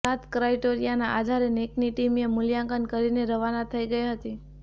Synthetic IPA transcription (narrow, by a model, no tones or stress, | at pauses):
at̪kɾaiʈoɾijanaʔad̪ʱaɾenekniʈimemʊljãŋkənkəɾineɾəʋanat̪ʰəiɡəiɦət̪i